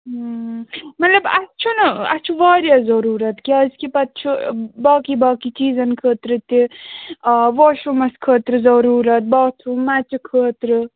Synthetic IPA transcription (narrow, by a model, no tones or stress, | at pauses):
ɦ | mɐt̪lɐbɐ̰st͡ʃʰunɐɐ̰t͡ʃʰuʋaːɾjɐzɐɾuːɾɐt̪kiɐzkipɐt̪t͡ʃʰubaːkibaːkit͡ʃiːzɐnkʰəːt̪ɾɨt̪i | ʋoːʃumɐskʰəːt̪ɾɨzɐɾuːɾɐt̪̚baːt͡ʃʰumat͡ʃukʰəːt̪ɾɨ